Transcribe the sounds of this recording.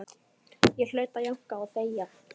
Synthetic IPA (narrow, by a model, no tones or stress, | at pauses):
jɛl̥œːɥt̪ajaŋ̥kaːθeːja